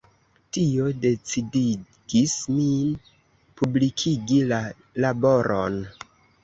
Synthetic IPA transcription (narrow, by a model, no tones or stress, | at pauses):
tio̞de̞t͡sidi | ɡismin | publikʰiɡila | labo̞ɾʔo̰n